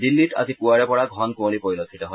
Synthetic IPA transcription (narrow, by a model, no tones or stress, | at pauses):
dilːitʰa̰zipuaɹɛpɔɹaɡʱɔnkuonipoilɔtʰːitɔɦɔ